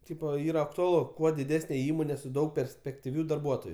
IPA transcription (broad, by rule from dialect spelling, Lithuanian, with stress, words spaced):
ˈtʲiːpoː ˈiːrɐ ɐktʊɐˈlˠʊ ˈkuɔ dʲɪˈdʲæːsʲnʲɛ ˈiːmoːnʲɛ sʊ ˈdɐʊk pʲɛrʲsʲpʲɛktʲɪˈʋʲuː dɐrˈbuɔtoːjʊ